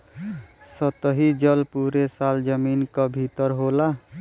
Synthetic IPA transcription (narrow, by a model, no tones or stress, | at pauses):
sʌt̪əɦid͡ʒʌlpuɾesald͡ʒəminkɔbʱit̪ɔɾɦola